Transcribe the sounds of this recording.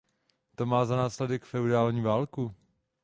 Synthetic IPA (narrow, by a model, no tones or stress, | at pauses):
t̪o̞maːzanaːslɛdɛkfɛudaːlɲiːvaːlku